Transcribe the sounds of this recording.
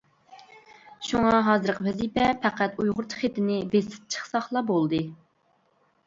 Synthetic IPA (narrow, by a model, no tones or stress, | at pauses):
ʃuŋɑɦɑːzɨɾqʰəvɛzipɛpʰæqæt̪ujʁʊɾt̪ʰə̥χet̪ɪnɪbesɪ̥p̚t͡ʃʰə̥χsɑχlˠɑbolˠd̪ɨ